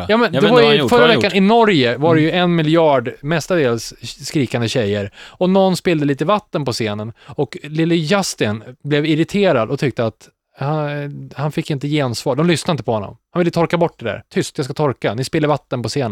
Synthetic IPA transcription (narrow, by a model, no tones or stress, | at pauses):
jɑːmɛnd̪ɛvaɾfœɾavɛkːanɪnɔɾjəvaɾɛjɵɛnmɪljɑːɖmɛst̪ad̪eːlsːkɾiːkand̪əɕɛjːəɾɔnɔnːspɪld̪əliːt̪əvat̪ːənpɔseːnənɔklɪlːɪjast̪ɪnblɛvɪɾɪt̪ʰeːɾad̪ɔt̪ʰʏk̚t̪əat̪ | hahanfɪkːɪnt̪əjeːansvɑːɖɔmlʏsnaɪnt̪əpʰɔhɔnːɔ̰mhanvɪlːət̪ʰɔɾkabɔʈ̚ːd̪ɛd̪æ̰ɾt̪ʰʏst̪jɑskat̪ʰɔɾkanɪspɪlːəvat̪ːənpɔseːnə